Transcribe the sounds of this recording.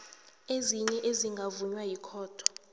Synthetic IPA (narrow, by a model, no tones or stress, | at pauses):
eziɲɛʔeziŋɡʱavuɲwajikʰɔːtʰɔ̥